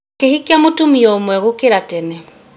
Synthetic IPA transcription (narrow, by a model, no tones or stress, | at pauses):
kehikjamotumiɔomwɛɣokeɾatɛnɛ